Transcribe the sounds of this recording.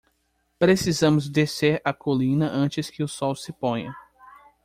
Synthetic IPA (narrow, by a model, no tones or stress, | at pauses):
pɾesizɐ̃mʊzd̪eseɾɐkolĩnɐʔɐ̃t͡ʃɪskɪʊsɔwsɪpõjɐ̰